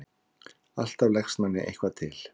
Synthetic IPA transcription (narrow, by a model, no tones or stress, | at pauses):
a̰l̥t̪avlɛxst̪manːɪ̰ʔḛjhkvat̪ʰɪl̥